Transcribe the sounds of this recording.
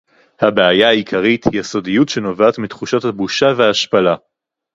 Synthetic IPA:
habeajaaikʰaʁithijaso̞dijutʃe̞no̞vaːt̪mitχuʃatabuʃavehaːʃpala

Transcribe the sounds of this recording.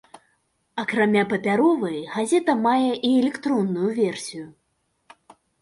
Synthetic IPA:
ɐkɾamʲapɐpʲaɾɔvɨjɣazʲɛt̪ɐmajɛʔiɛlʲɛkt̪ɾɔnːujuvʲɛrsʲiju

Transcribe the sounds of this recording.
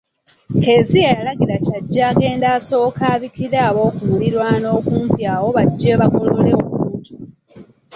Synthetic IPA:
ke̞ːzijejalaɡilacaɟːaːɡe̞ːndaːso̞ːkaːβikiɾaːβo̞ːkuwuliɾwano̞ːkuːmpjaːwo̞βaɟːe̞ːβakololeokuutu̥

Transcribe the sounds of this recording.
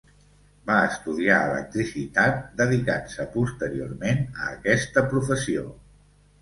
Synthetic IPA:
baəst̪uðiaələ̰k̚t̪ɾisit̪at̪̚d̪əðikansəpust̪əɾio̰rmenəːkɛst̪əpɾufəsio

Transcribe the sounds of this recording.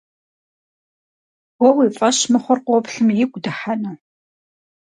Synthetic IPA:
wʷɔwiːfʼɐʃmɨχʷɔrqʷɔpɬɨmjɪɡʷʼdɨħanɐ

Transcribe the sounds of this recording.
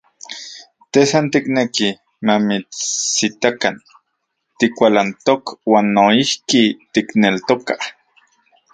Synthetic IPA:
t̪esant̪ikneki | mamit͡sːit̪akan | t̪ikʷalant̪okwaːnːoihkit̪iknelt̪oka

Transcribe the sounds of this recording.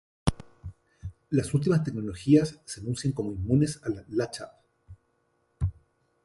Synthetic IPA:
lasult̪̬imast̪ek̚nolo̞xiasːeanũnsjaŋko̞moimːũne̞salalat͡ʃa̰

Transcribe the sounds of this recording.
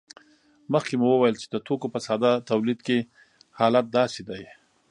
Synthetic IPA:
məxkemuwəwajəlt͡ʃe̥d̪ət̪okopəsɑd̪ɑt̪awlid̪ke | hɑlat̪̚d̪ɑsed̪aj

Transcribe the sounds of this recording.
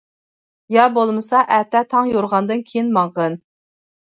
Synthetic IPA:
jɑbolˠmɨsɑʔæt̪ɛt̪ʰɑŋjoɾʁɑnd̪ɨnkʲʰejinmɑɴʁən

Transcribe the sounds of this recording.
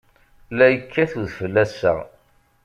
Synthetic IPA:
læjəkʰːæθuðfəlːæsːə̰ʁ

